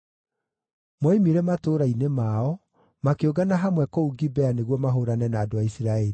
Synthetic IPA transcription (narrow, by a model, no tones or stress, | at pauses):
mwɔimiɾɛmatoːɾainemaɔ | makeoɡanaɦamwɛkouɡibɛaneɣwɔmaɦoɾanɛnaːdoaisiɾaeɾi